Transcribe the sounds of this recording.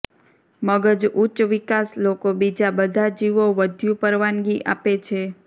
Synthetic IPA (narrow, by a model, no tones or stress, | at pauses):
məɡəd͡ʒut͡ʃʋikaslokobid͡ʒabəd̪ʱad͡ʒiʋoʋəd̪ʱjũpəɾʋanɡiʔapet͡ʃʰe